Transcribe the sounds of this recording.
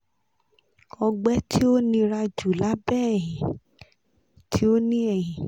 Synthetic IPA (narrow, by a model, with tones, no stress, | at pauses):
ɔ˧ɡ͡bɛ˦tʰi˦o˦nĩ˧ɾa˧d͡ʒu˨la˨˦bɛː˦˨jĩ˨ | tʰi˨˦o˦nĩ˦ɛ˦˨jĩ˨